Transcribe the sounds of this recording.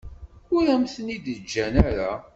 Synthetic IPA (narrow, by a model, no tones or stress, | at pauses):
ʊɾæmθənid̪əd͡ʒːænæɾa